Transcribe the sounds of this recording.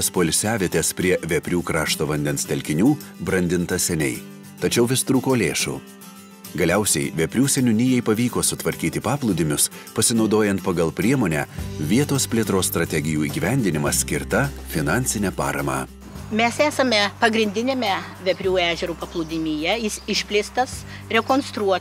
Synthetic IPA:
spoːlʲsʲæːʋʲiɛt̪ʲeːspʲɾʲiɛʋʲɛpʲɾʲuːkɾɑːʃt̪oːʋɐnʲd̪ʲɛnst̪ʲɛlʲkʲɪnʲuː | bɾɐnʲd̪ʲɪnt̪ɐsʲɛnʲɛɪ | t̪ɐt͡ʃʲɛʊʋʲɪst̪ɾuːkoːlʲeːʃṵː | ɡɐlʲɛʊsʲɛɪʋʲɛpʲɾʲuːsʲɛnʲʊnʲijɛɪpɐʋʲiːkoːsʊt̪ʋɐɾʲkʲiːt̪ʲɪpɑːplˠʊd̪ʲɪmʲʊspɐsʲɪnɒʊd̪oːjɛnt̪̚pɐɡɐlˠpʲɾʲiɛmoːnʲæːʋʲiɛt̪oːspʲlʲiɛt̪ɾoːsst̪ɾɐt̪ʲɛɡʲɪjuːiːɡʲiːʋʲɛnʲd̪ʲɪnʲɪmɐsʲkʲɪɾt̪ɐfʲɪnɑˑnʲsʲɪnʲɛpɑ̰ːɾɐ̰mɑ̰ː | mʲɛsæːsɐmʲɛpɐɡɾʲɪnʲd̪ʲɪnʲeːmʲɛʋʲɛpʲɾʲuːæːʒʲɛɾuːpɐplˠʊd̪ʲɪmʲijɛjɪsɪʃʲpʲlʲɪst̪ɐs | ɾʲɛkoːnst̪ɾuɔ

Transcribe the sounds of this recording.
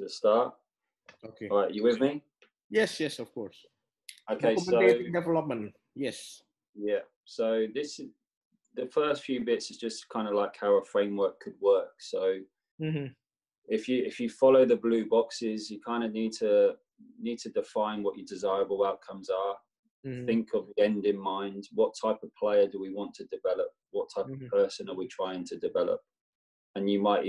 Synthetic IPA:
əstɑˑt | oʊkʰeɹaɪʔəwɪðmi | jɛsjɛsəv̥kʰɔɹs | oʊkʰeɪsoʊdɛvɛlʌp̚mə̃n | jɛs | jæ | soʊðɪsɪ | ðəfɜˑstfjʉːbɪtsɪzd͡ʒʌskʰãɪ̃ndəlaɪkhaʊəfɹẽɪ̃mwɜˑ˞kʰəd̚wɜˑksoʊ | m̩m̥m̩ | ɪfjəɪfjəfɒloʊðəblʉːbɒksɪzjəkʰãɪ̃ndəniːd̚tʰə | niːd̚tʰədɪfãɪ̃nwɒt͡ʃədɪzaɪɹəbəlˠaʊʔ̚kʰʌ̃mzə | θɪ̃ŋkʰəvðiɛ̃ndɪ̃nmãɪ̃ndwɒtʰaɪpəv̥pʰl̥eɪədəwiwɒ̃ntʰədɪvɛlə̰p̚wɒtʰaɪpəv̥pʰɜˑsə̃nəwitʰɹ̥aɪɪ̃ŋtʰədɪvɛlə̰p̚ | ə̃njəmaɪʔ

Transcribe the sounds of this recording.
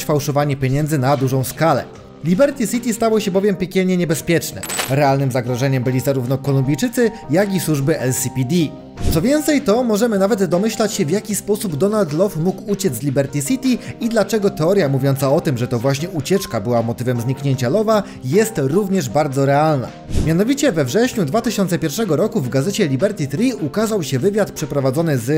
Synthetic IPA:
fawʂɔvaɲɛpʲjeɲɛnd̪zɘnad̪uʐɔ̃w̃skalɛ̰ | lʲibɛɾt̪ʲisʲit̪ʲist̪awɔɕɛbɔvʲjɛmpʲjekʲɛlɲɛɲɛbɛspʲjɛt͡ʂnɛ̰ɾɛalnɘmzaɡɾɔʐɛɲɛmbɘlʲizaɾuvnɔkɔlumbʲijt͡ʂɘt̪sɘ | jakʲiswuʐbɘʔɛlsʲipʲid̪ʲi | t̪sɔvʲjɛnt̪sɛjt̪ɔmɔʐɛmɘnavɛd̪ːɔmɘɕlat͡ɕɕɛvjakʲispɔsubd̪ɔnalt̪lɔfmukut͡ɕɛd̪zlʲibɛɾt̪ʲisʲit̪ʲiid̪lat͡ʂɛɡɔt̪ɛɔɾjamuvjɔnsaɔt̪ɘmʐɛt̪ɔvwaɕɲɛʔut͡ɕɛt͡ʂkabɘwamɔt̪ɘvɛmzɲikɲeɲt͡ɕalɔva | jɛst̪ɾuvɲɛʐbaɾd̪zɔɾɛalna̰ | mʲjanɔvʲit͡ɕɛvɛvʐɛɕɲud̪vat̪ɘɕɔnt̪sɛpʲjɛɾfʂɛɡɔɾɔkuvɡazɛt͡ɕɛlʲibɛɾt̪ʲit̪ɾʲiukazawɕɛvɘvʲjat̪pʂɛpɾɔvad̪zɔnɘz

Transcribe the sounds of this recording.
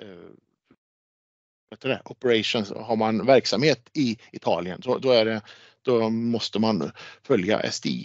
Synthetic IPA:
b̥ɛt̪ːadɛʔɔpəɾaʂʊnsɦaɾmanvæɾksamheːt̪ɪɪt̪ʰɑːlɪə̰ndɔd̪ɔæɖɛ | d̪̥ɔmɔst̪əmanfœlja̰ʔɛ̰st̪ḭː

